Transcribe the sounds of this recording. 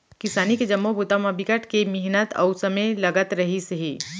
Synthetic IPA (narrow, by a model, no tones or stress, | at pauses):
kɪsaːniked͡ʒɐmːobut̪amɐbʱɪkəʈkemɪɦɪnət̪ɐ̰usɐmelɐɡət̪ɾɐɦiseɦiː